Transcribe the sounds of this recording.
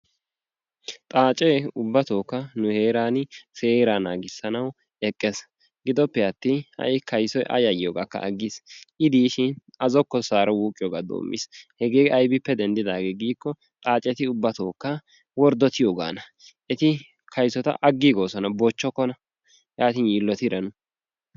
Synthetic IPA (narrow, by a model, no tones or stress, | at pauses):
t̪ʼaːt͡ʃʼɛʊbːɐt̪oːkːɐnʊheːɾaːnse̞ːɾanaːɡɪsːɐnɐw | ɛkʼːɛs | ɡɪd̪ɔpːɛjɐt̪ːɪhɐ̰ʔɪkʰɐjsɔjʔɐ̰jɐjɪjoːɡakːɐ̰ʔɐɡːisʔɪd̪iːʃɪn | ɐzɔkːɔsaːɾɐwuːkʼːɪjoːɡaːd̪o̰ːmːʔɪ̰shɛɡeːɡɐjbɪpːɛd̪ɛnd̪ɪd̪aːɡeːɡiːkːɔ | t̪ʼaːt͡ʃʼɛt̪ɪʊbːɐt̪oːkːɐ | wɔɾd̪ɔt̪ɪjoːɡa̰ːnɐ | ʔɛt̪ɪ | kʰɐjsɔt̪ɐ̰ʔɐɡːiɡoːsɔnɐbɔt͡ʃːɔkːɔnɐ | jaːt̪ɪnjiːlːɔt̪ɪɾɐnʊ